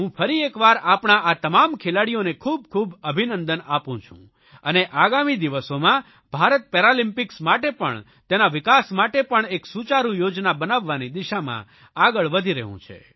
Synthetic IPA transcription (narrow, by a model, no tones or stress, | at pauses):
ɦũfʰəɾiekʋaɾapɳaʔat̪əmamkʰelaɽijonekʰub̚kʰubəbʱinənd̪ənapũt͡ʃʰṵ̃ | əneʔaɡamid̪iʋəsomã | b̥ʱaɾət̪̚pɛɾalimpɪksmaʈepə̰ɳ | t̪enaʋɪkasmaʈepəɳeksut͡ʃaɾũjod͡ʒnabənaʋːanid̪iʃamã̰ | aɡəɭʋəd̪ʱiɾə̰ɦṵ̃t͡ʃʰḛ